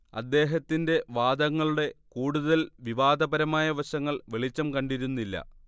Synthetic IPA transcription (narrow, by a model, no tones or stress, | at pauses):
ɐ̰d̪ːe̞ːɦɐt̪ːinde̞ʋaːd̪ɐŋːɐɭuɽe̞kuːɽuðɐlʋiʋaːd̪ɐbɐɾɐmaːjɐʋɐɕɐŋːɐɭʋe̞ɭit͡ɕːɐmkɐɳɖiɾunːilːɐ̰